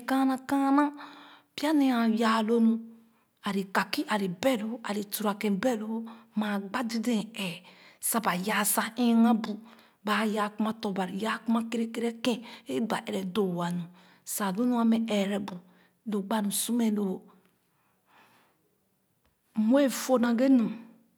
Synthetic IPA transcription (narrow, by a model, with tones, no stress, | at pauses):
kã˦nã˦kã˦nã˦pi˦a˦ne˨ã˨ja˨lo˦nũ˦ | a˨ɾi˨ka˨ki˦ʔa˨ɾi˨bɛ˦lo˦a˨ɾi˨tu˨ɾa˨kẽ˨bɛ˦lo˦ma˨ɡ͡ba˦di˦dẽ˨ɛ˨sa˦ba˨ja˨sa˦ĩ˦na˦bu˨ | ba˨ja˨ku˦ma˦to˨ba˨ɾi˨ja˦ku˦ma˦ke˦ɾe˦ke˦ɾe˦kẽ˦e˦ba̰˨ʔɛ˨ɾɛ˨do˨wa˨nũ˨ | sa˨lo˦nu˦a˦mɛ˨ɛ˨ɾɛ˨bu˨ | lo˨ɡ͡ba˦nũ˨su˦me˨lo˨ | mu˦e˦fo˦nã˨ɡe˦nũ˨